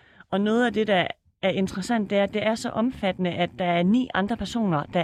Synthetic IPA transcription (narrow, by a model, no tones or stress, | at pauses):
ɒ̽nɔ̽ːð̞̩ˠæd̥e̝d̥ɑ | æɐʔe̝nd̥ʁɐsæn̰d̥eæɐd̥e̝æɐsɒ̽ʔɒ̽mfæd̥ənəʔæd̥ːɑ̈æɐnḭːɑ̈nd̥ʁɐpʰæɐso̝̰ːnɐd̥ɑ̈